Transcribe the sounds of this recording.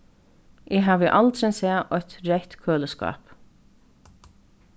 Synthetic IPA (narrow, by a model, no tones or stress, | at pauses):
ɪɦaːvɪʔalt̪sɛnsɛːʔɔjt̪ɾɛht̪kʰøːləska̰ːp